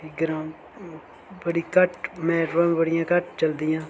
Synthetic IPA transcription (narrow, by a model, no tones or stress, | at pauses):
ɪɡɾaːm | bəɽiːkəʈmɛ̃ːɾəːmbəɽɪjãːkəʈt͡ʃəld̪ɪjãː